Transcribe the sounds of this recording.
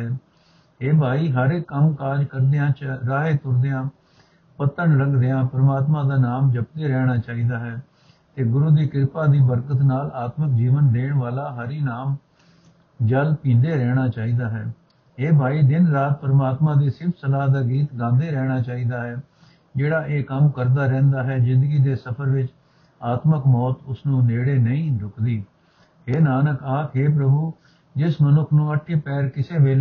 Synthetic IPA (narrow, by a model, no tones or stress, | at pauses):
ɛː | eːbʱaːiːɦəɾeːkəmkaːɾkəɾd̪eãːɾaːɦeːt̪ʊɾd̪eãː | pət̪əɳləɡd̪eãːpəɾmaːt̪mãːd̪aːnaːmd͡ʒəp̚d̪eːɾɛːɽ̃aːt͡ʃaːiːd̪aːɦɛː | t̪eːɡʊɾuːd̪iːkɪɾpaːd̪iːbəɾkət̪naːlaːt̪mək̚d͡ʒiːʋənd̪eːɳʋaːlaːɦəɾiːnaːm | d͡ʒəlpĩːnd̪eːɾɛːɽ̃aːt͡ʃaːiːd̪aːɦɛː | ɦeːbʱaːiːd̪ɪnɾaːt̪̚pəɾəmaːt̪mãːd̪eːsɪɾpʰsəlaːɦd̪aːɡiːt̪ɡãːnd̪eːɾɛːɽ̃aːt͡ʃaːiːd̪aːɦɛː | d͡ʒeːɽaːʔeːkəmkəɾd̪aːɾɛ̃ːnd̪aːɦɛːzɪ̃nd̪əɡiːd̪eːsəpʰəɾʋɪt͡ʃ | aːt̪məkmɔːt̪ʊsnũːneːɽeːnəĩːɾʊkd̪iː | ɦeːnaːnəkaːkɦeːp̬ɾəbuː | d͡ʒɪsmənʊkʰnũːəʈʰeːpɛːɾkɪseːʋeːl